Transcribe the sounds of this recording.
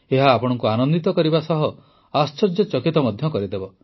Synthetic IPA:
eɦaːpɔɽ̃ɔŋkuanɔnd̪it̪ɔkɔɾibasɔɦɔ | ast͡ʃɔd͡ʒɔt͡ʃɔkit̪ɔmɔd̪ʱjɔkɔɾid̪ebɔ

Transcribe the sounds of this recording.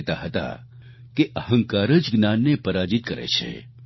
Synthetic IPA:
t̪aɦət̪a̰ | keʔəɦə̃ŋkaɾəd͡ʒɡnanːepəɾad͡ʒit̪̚kəɾḛt͡ʃʰḛ

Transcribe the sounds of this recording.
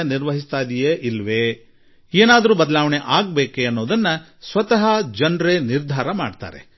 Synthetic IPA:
ɐniɾʋɐɦist̪aːd̪ijeːʔilʋeː | eːnaːd̪ɐɾuːbɐd̪ɐlaːʋɐɳeʔaːɡ̚be̞ːkeɐnːoːd̪ɐnːɐ | sʋɐt̪ɐɦɐd͡ʒɐnɾeniɾd̪ʱaːɾɐma̰ːɖt̪a̰ːɾḛ

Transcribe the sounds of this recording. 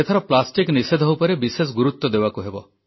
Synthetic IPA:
et̪ʰɔɾɔplasʈiknised̪ʱɦɔwpɔɾebises̬ɡuɾut̪ːɔd̪ebakuɦebɔ

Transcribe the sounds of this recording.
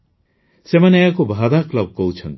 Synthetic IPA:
semaneeakobʱad̪akləb̚kɔɦut͡ʃʰʌnt̪

